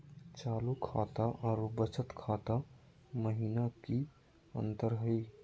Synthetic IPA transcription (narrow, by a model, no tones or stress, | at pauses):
t͡ʃaːlukʰa̰ːt̪aʔɔːɾubət͡ʃət̪kʰaːt̪a | məɦiːnaki | ə̰nt̪əɾɦəi